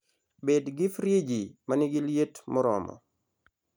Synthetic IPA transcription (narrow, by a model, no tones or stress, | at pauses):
bedɡɪfɾjed͡ʒimaniɡɪljetmɔɾɔ̰mɔ̰